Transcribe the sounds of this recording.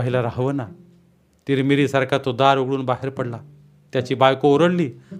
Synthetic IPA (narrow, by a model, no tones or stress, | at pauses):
aɦilaɾaɦʋəna | t̪iːɾmiɾisaɾkʰat̪od̪aɾoɡɽuːnbaɦeɾpəɽla | t̪jat͡ɕiːbajkooɾəɽliː